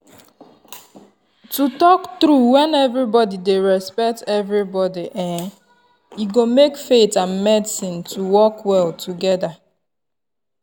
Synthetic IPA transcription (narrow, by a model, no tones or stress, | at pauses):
tutɔktɾuwɛ̃nɛvɾibɔdideɹɛspɛk̚tɛvɾibɔdiʔɛ̃ | iɡomekfetãnmɛdsĩntʰuwɔkwɛltʰuɡɛda